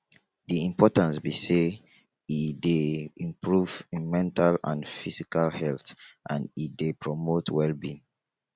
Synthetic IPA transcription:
diĩmpʰɔtãnsbise | ideĩmpʰɹuvmɛ̃ntʰalã̰nfisikalhɛltʔãndidepɹɔmotwɛlbĩn

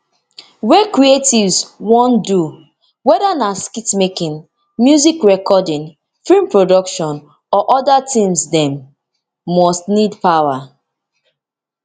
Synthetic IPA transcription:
wɛkɹietivswɔ̃ndu | wɛdanaskitmekĩn | mjuzikɹɛkɔdĩŋ | filmpɹodɔkʃɔ̃n | ɔʔɔdatʰĩmsdɛ̃mː | ɔstnidpawa

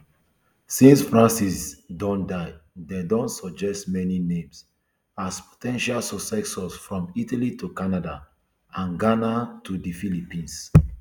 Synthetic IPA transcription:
sĩnsfɹãnsisdɔ̃ndaɪdedɔ̃nsɔd͡ʒɛstmɛninẽms | aspʰo̥tʰɛ̃nʃalsɔsɛksɔsfɹɔ̃mitalitukanada | ãnɡanatʰudifilipĩns

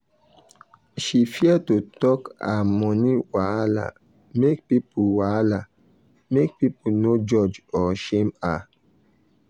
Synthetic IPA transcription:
ʃifiatutɔka̰mɔ̃nĩwala̰ | mek̚pipuwala | mek̚pipunod͡ʒɔd͡ʒɔʃema

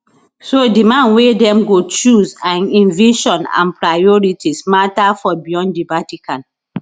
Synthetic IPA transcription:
sodimãnwedɛ̃mɡot͡ʃuzãnĩnviʃɔ̃nã̰npɹajɔɹitʰismatafɔbiɔ̃ndibatikãn

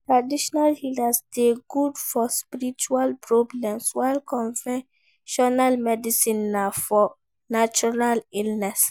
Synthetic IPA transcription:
tɹadiʃɔnalhilasdeɡudfɔspiɾit͡ʃualpɹɔblɛ̃mswaɪlkɔ̃nvɛ | ʃɔnalmɛdisĩnːafɔ | nat͡ʃɔɹalilnɛs

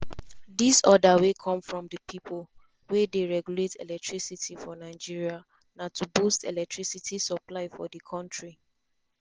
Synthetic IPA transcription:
disɔdawekʰɔ̃mfɹɔ̃mdəpʰipʰol | wedeɹɛɡjuletɛ̰lɛk̚tʰɹisitʰifɔnaɪd͡ʒiɹia | natʰubostɛ̰lɛk̚tʰɹisitʰisɔplaɪfɔ̰dəkʰɔ̃ntɹi

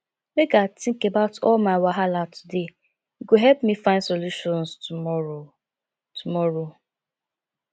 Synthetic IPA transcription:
mekatɪ̃ŋkebaʊtʰɔlmaɪwaɦalatʰu̥de | ɡoɦɛlpmifãɪ̃nsoluʃɔ̃nstumɔo | tʰumɔɹo

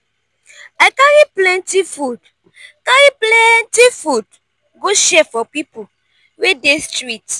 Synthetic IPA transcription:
aɪkãɣiplɛ̃ntifud | kãjiplɛntifud | ɡoʃɛfɔpipu | wedestɾit

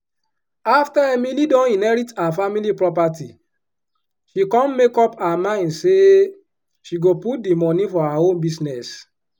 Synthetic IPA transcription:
aftaɛmilidɔ̃nĩnɛɹitaafamilipɹɔpati | ʃikɔ̃mmekɔpaamãɪ̃ndse | ʃiɡoput̚dimɔnifɔaaõnbisnɛs

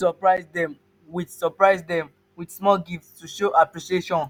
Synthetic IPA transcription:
sɔpɹaɪzdɛ̃m | widsɔpɹaɪzdɛ̃m | widsmɔlɡiftstuʃoʔapɹiʃieʃɔ̃n

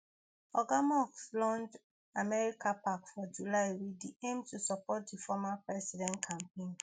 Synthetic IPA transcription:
ɔɡamɔkslɔ̃nd | amɛɹikapakfɔd͡ʒulaɪwidiẽmtusɔpɔt̚difɔmapɹɛsidɛ̃nkʰãmpẽn

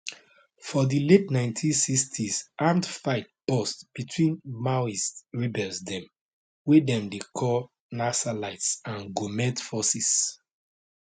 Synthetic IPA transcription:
fɔdiletnãɪ̃ntʰĩnsistʰisãmtfaɪt̚b̥ɔstb̥itʰwĩnmaisɹibɛsdɛ̃m | wedɛ̃mdekʰɔ | nasalaɪtsãnɡomɛ̃tfɔsis

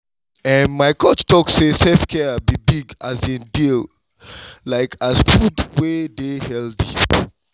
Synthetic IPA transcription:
ɛ̃nmaɪkʰɔt͡ʃtɔksesɛlfkʰɛabibiɡazĩndil | laɪkʰazfudwedehɛldḭ

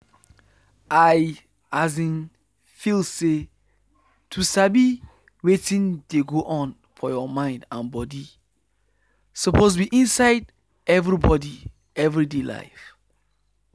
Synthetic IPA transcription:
aj | azĩn | filse | tʰusabi | wetĩndeɡoʔɔ̃n | fɔjɔmãɪ̃ndãnbɔdi | sɔpʰos̬wiʔĩnsaɪd | ɛvɹibɔdi | ɛvɹidela̰ɪf

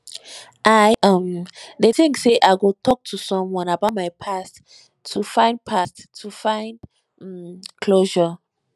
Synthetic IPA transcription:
ʔaɪʔʌ̃mdeθĩŋkseʔaɪɡotʰɔk̚tʰusɔ̃mwɔ̃nabaʊt̚maɪpʰast | tʰːufãɪ̃nd̚pʰastʰːufãɪ̃nd̩ | mkʰloʒə

